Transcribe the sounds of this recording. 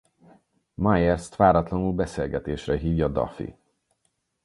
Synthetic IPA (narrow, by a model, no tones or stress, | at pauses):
majɛrst̪ʋaːɾɒt̪lɒnulbɛseːlɡɛt̪eːʃrɛɦiːvjɒd̪ɒ̰fḭ